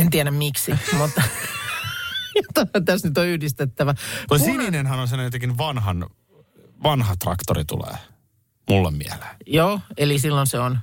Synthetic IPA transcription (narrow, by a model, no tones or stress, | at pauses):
ent̪iæɾæmmiksimut̪ːɑ | ot̪ːɑt̪æsnyt̪oyhdist̪et̪ːæʋænosiminenhɑnons̬ɑnːjot̪ekinʋɑnɦɑn | ʋɑnɦɑt̪rɑ̰kt̪orit̪ṵlḛː | mulːḛmmḭæle̥ːnjoːelisilːonseon